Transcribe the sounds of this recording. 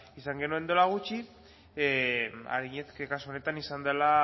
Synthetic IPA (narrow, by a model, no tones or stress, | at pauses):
isaŋɡe̞nue̞nd̪o̞laɣ̞ut͡ʃi | a̰ɾiɲeskekasuo̞ne̞t̪anisand̪ela